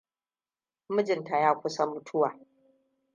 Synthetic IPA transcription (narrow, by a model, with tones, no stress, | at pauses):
mʊ˦d͡ʒɪ˨nta˨jaː˦kʷʊ˦sa˦mʊ˨tʰʊ˦waː˨